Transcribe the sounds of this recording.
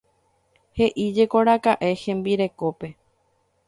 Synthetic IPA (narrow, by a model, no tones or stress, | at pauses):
he̞ʔid͡ʒe̞ko̞ɾakaʔe̞hẽ̞mbiɾe̞ko̞pe̞